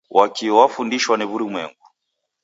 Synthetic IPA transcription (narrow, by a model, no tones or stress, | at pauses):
wʔakiwafundiʃwaniβuɾimwɛ̰ŋɡu